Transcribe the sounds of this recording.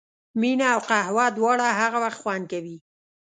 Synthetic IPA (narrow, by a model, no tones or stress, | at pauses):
minaːwqahwad̪wɑɽaɦaɣawaxt̪xwankawi